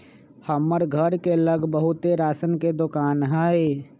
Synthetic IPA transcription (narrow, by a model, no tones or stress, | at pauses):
həmːəɾɡʱəɾkeləɡbəɦʊt̪eɾaːsənked̪ʊkaːnɦɛe